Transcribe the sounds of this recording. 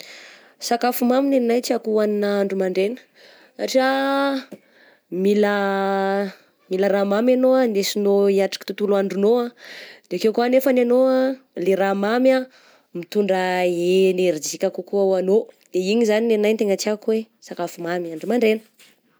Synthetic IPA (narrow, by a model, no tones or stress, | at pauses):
sakafumamineninajt͡siakuaninaaɳɖ͡ʐumaɳɖ͡ʐenə̥ | aʈ͡ʂa | milə | miləɾamamanoanesinoiaʈ͡ʂḁki̥t̪ut̪uluaɳɖ͡ʐunoad̪̥eakewkuanefananoaleɾamama | mit̪uɳɖ͡ʐaeneɾid͡zikʲakukuaanod̪̥eiɲizaninennajnt̪eŋət͡siakuwe | sakafumamiaɳɖ͡ʐumaɳɖ͡ʐenə̥